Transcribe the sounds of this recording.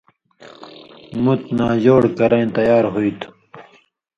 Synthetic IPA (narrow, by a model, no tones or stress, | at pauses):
mut̪naːd͡ʑoːɽkɐɾɐ̃j̃t̪ɐjaːɾɦoit̪ʰ